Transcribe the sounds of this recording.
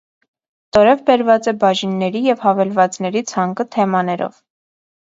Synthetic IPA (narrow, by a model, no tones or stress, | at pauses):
t̪ɔɾɛvbɛɾvɑt͡sɛbɑʒinːɛɾijɛvhɑvɛlvɑt͡snɛɾit͡sʰɑŋkət̪ʰɛmɑnɛɾɔ̰v